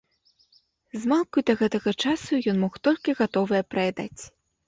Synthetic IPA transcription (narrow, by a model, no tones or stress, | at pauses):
zmalˠkujd̪ɐɣɛt̪ɐɣɐt͡ʂasujɔnmɔxt̪ɔlʲkʲiɣat̪ɔvɨjɐpɾɐjɛd̪a̰t͡sʲ